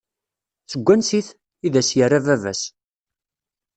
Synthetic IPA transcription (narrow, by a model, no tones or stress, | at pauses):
t͡sːəɡʷːænsiθ | iðæsjərːævævæ̰s